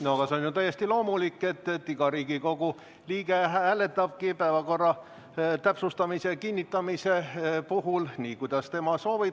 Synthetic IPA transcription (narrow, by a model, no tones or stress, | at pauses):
noɑɡ̥ɑse̞o̞njut̪æjːe̞st̪ilo̞ːmulikːˑe̞t̪ːet̪ːiɡ̥ɑɾiːɡ̥iko̞ɡ̥u | liːɡ̥eæhæle̞t̪ːˑɑb̥̚kipæevɑko̞rːɑ | t̪æpsust̪ɑmise̞kinʲːit̪ːˑɑmise̞puɦulniːkujd̪̥ɑst̪e̞mɑso̞ːvi